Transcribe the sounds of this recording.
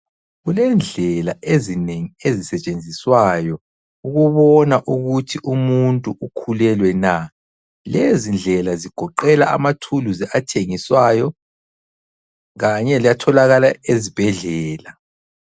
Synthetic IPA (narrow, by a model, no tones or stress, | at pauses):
ɣulɛnd͡ɮʱɛlaezineŋiezisɛt͡ʃʼend͡zʱiswajɔ | uɣuβɔnaʔuɣutʰiʔumuntʼuʔukʰulɛlwɛna | lezind͡ɮʱɛlaziɡ̥ʱɔǃɛla̰ʔa̰matʰuluzɛʔatʰeŋiswajɔ | ɣaɲɛlijatʰɔlaɣalaezib̥ʱɛɮɛːla